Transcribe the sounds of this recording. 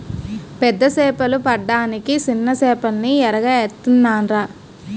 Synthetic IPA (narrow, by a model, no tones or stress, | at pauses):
pɛd̪ːɐsɛːpɐlupɐɖːaːnikit͡ʃinːɐsɛːpɐlniɛɾɐɡaːeɾt̪unːaːnɾaː